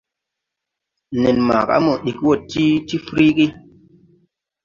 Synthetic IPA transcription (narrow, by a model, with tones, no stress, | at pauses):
ne˨nma̰˨ka̰˨˦mo˨ɗi˨kwo˦˨tːi˦ti˦fɾi˦ki˦